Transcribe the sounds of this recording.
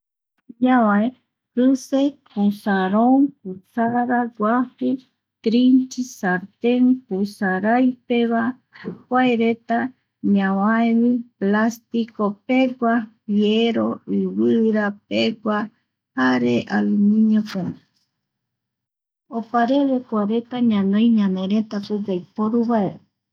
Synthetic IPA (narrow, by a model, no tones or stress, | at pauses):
ɲawae | kɨsepusaɾoŋk̚ut͡saɾaɾaɡwafi | t̪ɾint͡ʃisaɾt̪eŋpusaɾajpeβa | kwajɾet̪a | ɲawajβiplast̪ikopeɡʷapjeɾoiwɨɾapeɡʷa | haɾeʔalumĩɲopune | opaɾeβekʷaɾet̪aɲãnõjɲãneɾet̪aped͡ʒajpoɾuβaee